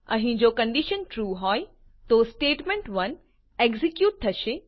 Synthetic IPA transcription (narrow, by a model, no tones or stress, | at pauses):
ɐ̰ɦĩd͡ʑoːkɐ̃ɳɖiʃənʈɾuːɦɔːj | t̪oːsʈeːʈmẽɳʈʋɐn | eɡzikjuːʈ̚t̪ʰɐʃe